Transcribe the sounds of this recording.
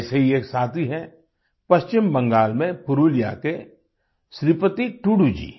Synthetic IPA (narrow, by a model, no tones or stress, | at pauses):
seɦieːksaːt̪ʰiɦɛ | pɐʃt͡ʃɪmbɐ̃ŋɡaːlmẽpʊɾuːlijake | ʃɾipət̪iʈuɽud͡ʒḭː